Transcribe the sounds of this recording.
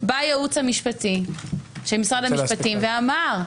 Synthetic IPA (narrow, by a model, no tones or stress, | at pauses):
bajeut͡shamiʃpatiʃemisʁadamiʃpatimveamaʁ